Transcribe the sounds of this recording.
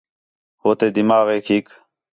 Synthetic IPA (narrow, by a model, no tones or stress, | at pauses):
hoːt̪eːd̪imaːɣeːkʰiːk